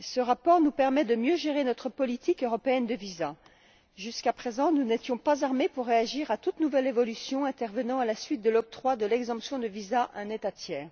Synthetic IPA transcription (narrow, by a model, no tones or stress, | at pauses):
səʁapɔʁnupɛʁmɛd̪əmjøʒeʁenɔt̪χəpɔlit̪ikøʁɔpeɛnd̪əviza | ʒyskapχezɑ̃nunet̪jɔ̃pazaʁmepuʁːeaʒiʁat̪ut̪nuvɛlevɔlysjɔ̃ɛ̃t̪ɛʁvənɑ̃alasɥit̪̚d̪əlɔk̚t̪χwad̪əlɛɡzɑ̃psjɔ̃d̪əvizaʔɛ̃net̪at̪jɛːʁ